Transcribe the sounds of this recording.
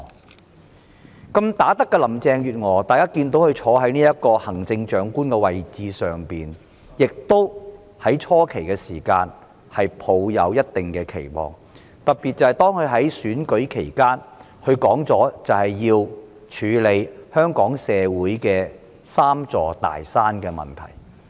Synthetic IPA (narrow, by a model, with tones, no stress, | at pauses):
kɐ˧mt̪aː˨˥t̪ɐ˥kːɛ˧lɐ˨˩mt͡sɛː˧ŋjyː˨t̚ŋɔː˨˩t̪aː˨jkaː˥kiː˧nt̪̬o˨˥whɵ˧t͡ʃʰɔː˨˧˥ɦɐ˨˥jniː˥jɐ˥tkɔː˧hɐ˨˩ŋt͡sɪ˧ŋt͡ʃœː˨˥ŋkuː˥nkɛː˧wɐ˨jt͡siː˧sœː˨˩ŋpiː˨n | jɪ˨k̚t̪o˥w | hɐ˨˥jt͡ʃʰɔː˥kʰe˨˩jkɛː˧siː˨˩kaː˧n | hɐ˨jpʰo˨˧wjɐ̰˨˧wjɐ˥t̚t̪ɪ˨ŋkɛː˧kʰe˨˩jmɔ̰ː˨ŋ | t̪ɐ˨t̚pi˨t̚t͡sɐ˨whɐ˨jt̪ɔː˥ŋkʰɵ˨˧ɥɦɐ˨˥jsyː˨˥nkɵ˨˥ɥkʰe˨˩jkaː˥n | hɵ˧ɥkɔː˨˥ŋt͡sɔː˨˥t͡sɐ˨˩whɐ˨jːiː˧w | t͡ʃʰyː˨˧le˨˧jhœː˥ŋkɔː˨˥ŋsɛː˨˧wuː˨˥jkɛː˧ | saː˥mt͡sɔː˨˧t̪a̰ː˨jsaː˥nkɛː˧mɐ̰˨˩nt̪ʰɐ̰˨˩j